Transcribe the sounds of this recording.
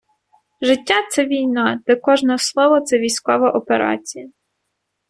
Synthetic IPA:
ʒɪtʲːat̪sɛʋʲijnɑd̪̥ɛkɔʒnɛslˠɔʋɔt̪sɛʋʲijsʲkɔʋɐʔɔpeɾɑ̰t͡sʲijɐ

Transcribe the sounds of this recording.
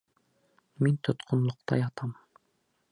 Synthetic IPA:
mint̪ʰot̪qʰʊ̆nlˠʊqt̪ɑ̰jɑt̪ʰɑm

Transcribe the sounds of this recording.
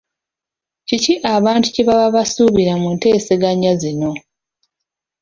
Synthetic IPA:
ciciʔaβaːntu̥ciβaβaβasuβiɾamunte̞ːseɡaɲazino̞

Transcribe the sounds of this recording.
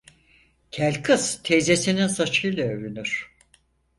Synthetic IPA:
cʰælʲkʰɯzt̪ʰezesininsat͡ʃʰɯjlˠaøvynyɾ̥

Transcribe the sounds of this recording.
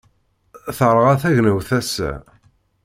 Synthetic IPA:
θəɾˤʁæθæʝnəwθæsːæ̰

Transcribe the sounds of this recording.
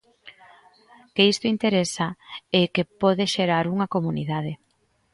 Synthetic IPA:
keist̪oint̪eɾesaekepɔðeʃeɾaɾuŋɐkomuniðað̞e

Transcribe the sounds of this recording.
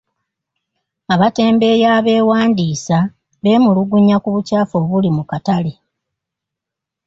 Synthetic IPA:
aβate̞ːmbe̞jaːβe̞ːwaːndiːsa | βe̞ːmuluɡuɲakuβucaːfo̞ːβulimukatale̞

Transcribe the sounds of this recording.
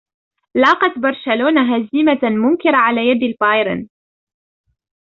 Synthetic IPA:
lɑːqɑt̪bɑɾˤʃaloːnaɦazimamʊmkɪɾaʕalaːjad̪ɪlfɑjɾɪ̰n

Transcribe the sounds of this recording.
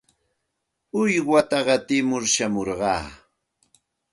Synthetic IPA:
ʊjwat̪ɑɢɑt̪ɪmʊɾʃamoɾɢɑ̰ː

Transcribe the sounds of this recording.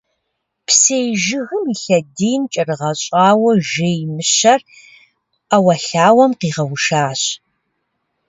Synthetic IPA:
pʰsejʒɪɣɨmiɬɐdiːnt͡ʃʼɐrɨʁɐɕʼaːwɐʒejmɨɕɐr | awɐɬaːwɐmqiːʁɐwʊʃaːɕ

